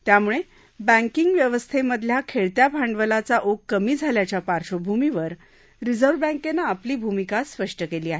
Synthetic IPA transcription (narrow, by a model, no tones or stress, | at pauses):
t̪jamuɭe | bə̃ŋkiŋɡʋjəʋəst̪ʰeməd̪ʱljakʰeɭt̪japaɳɖʋəlat͡saʔokːəmiːd͡zʱaljat͡ɕjapaɾʂobʱumiʋəɾ | ɾid͡zəɾʋbə̃ŋkenaːpliːbʱumikaspəʂʈəkeliːaɦe